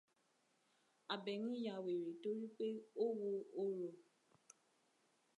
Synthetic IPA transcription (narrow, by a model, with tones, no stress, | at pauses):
a˨bɛ˨ŋĩ˦ja˧we˨ɾe˨to˦ɾi˦k͡pe˦o˦wo˧o˦ɾo˨